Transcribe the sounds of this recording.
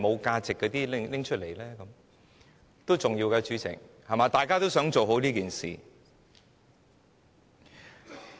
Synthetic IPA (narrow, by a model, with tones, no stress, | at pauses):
mo˨˧wkaː˧t͡sɪ˨kːɔː˨˧t̪iː˥lɪ˥ŋlɪ˥ŋt͡ʃʰɵ˥t̚le˨˩jlɛː˥kɐ˨˦m | t̪o˥wt͡sʊ˨ŋjiː˧wkɐː˧t͡ʃyː˨˥t͡sʰɪ̰˨˩ŋhɐ˨˩maː˨˧t̪aː˨jkaː˥t̪o˥wsœː˨˥ŋt͡so˨wɦo˨˥wliː˥kiː˨nsḭː˨